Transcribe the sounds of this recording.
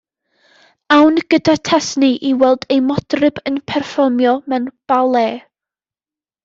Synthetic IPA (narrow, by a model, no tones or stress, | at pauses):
awnɡ̥ədatʰɛsniʔiwɛlˠdejmɔd̥rɪbənpʰɛrfɔrmjɔmɛnb̥alˠeː